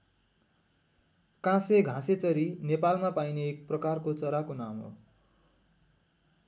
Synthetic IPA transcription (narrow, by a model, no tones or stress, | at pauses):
kãseɡʱãset͡sʌɾinepalmapajneːk̚prʌkarkot͡sʌɾakonamo̰